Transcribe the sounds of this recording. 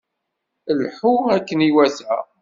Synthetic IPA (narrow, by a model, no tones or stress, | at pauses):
əlħuækːəniwæθæ̰